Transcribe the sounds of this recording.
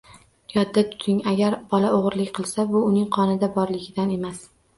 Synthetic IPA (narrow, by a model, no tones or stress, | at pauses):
jɒd̪ːat̪ʰʊ̥t̪ʰɪŋaɡʲaɾbɒlaoʁɾlɪkʲqʰɨlˠsabʊːnɪŋqʰɒnɪd̪abɒɾlɪɡʲɪd̪ane̞mas